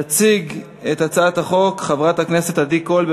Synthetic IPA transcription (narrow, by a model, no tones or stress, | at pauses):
t͡siɡ | et̪at͡saːt̪haχo̞kχavʁat̪hakne̞se̞t̪adikːo̞lb